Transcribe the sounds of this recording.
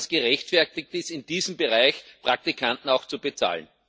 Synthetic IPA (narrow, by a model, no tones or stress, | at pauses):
sɡ̥əʁɛçtfɛɐtɪk̚tɪstɪndiːzəmbəʁaɪçpʁ̥ak̚tikʰantn̩aʊxt͡subət͡sa̰ːln